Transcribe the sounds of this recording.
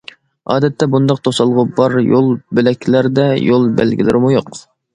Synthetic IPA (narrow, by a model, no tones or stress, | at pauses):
ɑ̰ːd̪ɛt̪ʰːɛbund̪ɑq̚t̪ʰosɑlˠʁʊbɑɾjolˠbɪlɛkʲʰlæɾd̪ɛjolˠbæ̰lɡʲilɪɾɪmujoq